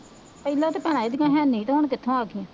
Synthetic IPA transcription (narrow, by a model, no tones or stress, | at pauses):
pəilãːt̪eːpɛːɽ̃ãːid̪ɪkãːɦɛːniːt̪ːɦʊɳkɪt̪ʰːõːaːkɪã